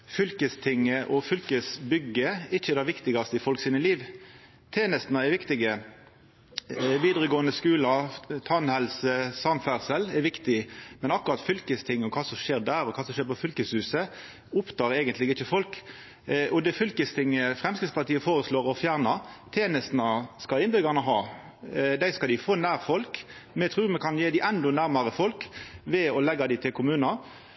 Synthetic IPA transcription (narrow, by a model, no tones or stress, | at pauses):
fʏlkəst̪ʰɪŋːəʔɔfʏlkəsbʏɡəɪçːəd̪ɑʋɪkt̪ɪɡɑst̪əɪfɔlksiːnəliːʋ | t̪ʰeːnəst̪nɑɛʋɪkt̪ɪɡə | ʋiːd̪ʁəɡoːənəskʉːlɑt̪ʰɑnhɛlsəsɑnfæʁsəlɛʋɪkt̪ɪmɛnɑkːʊʁɑt̪fʏlkəst̪ʰɪŋːəɔkʰɑːsɔʂeːʁd̪æːɾɔkʰɑːsɔmʃeːʁpɔfʏlkəshʉːsə | ʊpt̪ɑːɾæɪɡənt̪lɪɡɪçːəfɔlk | ʔɔd̪ɛfʏlkəst̪ʰɪŋːəfʁɛmskɾɪt̪spɑt̪iːəfoːɾəsloːɾɔfjæːʁnɑt̪ʰeːnəst̪nəskɑɪnbʏɡɑʁnəɦɑː | d̪æɪskɑld̪ɪfoːnæːʁfɔlk | mɛt̪ʰʁʉːɾmɛkʰɑnjeːd̪ɪʔɛnd̪ɔnæʁmɑɾəfɔlkʋɛɔlɛɡːɑd̪ɪt̪ʰɪlkʰʊmʉːnɑ